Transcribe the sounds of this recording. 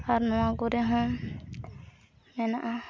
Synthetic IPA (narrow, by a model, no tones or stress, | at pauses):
aɾnɔ̃waɡɔɾɛɦɔ̃ | mɛnaʔa